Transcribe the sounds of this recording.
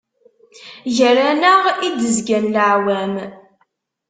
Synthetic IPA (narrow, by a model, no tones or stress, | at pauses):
ʝəɾænəʁid̪əzɡænlʕwæm